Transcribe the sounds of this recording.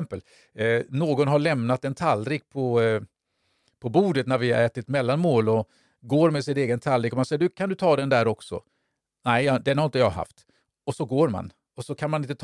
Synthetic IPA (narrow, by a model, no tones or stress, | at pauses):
mpəl | noːɡɔnɦaɭɛmnat̪ɛnt̪ʰalːɾik̚pʰɔ | pʰɔbuːd̪ət̪næɾvɪ̰ɛːt̪ɪɛt̪mɛlːanmoːlɔ | ɡoːɾmɛsɪt̪eːɡənt̪ʰalːɾiːkːɔmansɛjːəɖ̪ɵkʰand̪ɵt̪ʰɑːd̪ɛnd̪æɾɔksɔ̰ | nɛɪd̪ɛɾhaɪnt̪əjɑːɦa̰ft̪ | ɔsɔɡoːɾma̰n | ɔsɔkʰanmanɪnt̪ət̪ʰ